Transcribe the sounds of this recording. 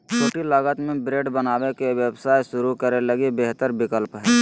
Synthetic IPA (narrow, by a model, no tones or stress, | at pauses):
t͡ʃʰoːʈilaːɡət̪mẽbɾeːɖbənaːwekeʋjəwsaːjʃʊɾukəɾelɐɡebeɦt̪əɾbɪkəlpɦɛː